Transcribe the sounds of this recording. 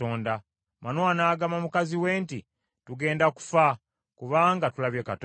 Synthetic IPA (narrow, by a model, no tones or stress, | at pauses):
oːnda | manoanaːɡamamukaziwe̞ːnti | tuɡe̞ːndaku̥fa | kuβaːŋɡatulaβjekat